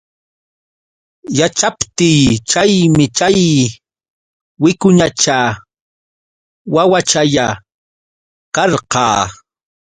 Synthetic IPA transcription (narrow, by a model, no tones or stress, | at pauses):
jat͡ʃapt̪ɪjt͡ʃajmɪt͡ʃaj | wɪkʊɲat͡ʃa | wawat͡ʃaʎa | kɑɾqɑː